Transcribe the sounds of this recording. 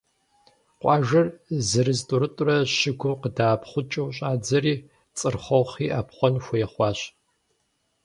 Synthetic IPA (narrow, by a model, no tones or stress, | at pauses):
qʷʼɑːʒɐrzɨɾɨztʼʊɾɨtʼʊrɐʃɪɡʷʊmqədaːpχʷʊt͡ʃʼɐwɕʼaːd͡zɐɾiː | t͡sʼɨrχʷɔwχiːʔaːpχʷɔnxʷʊjɛχʷɑːɕ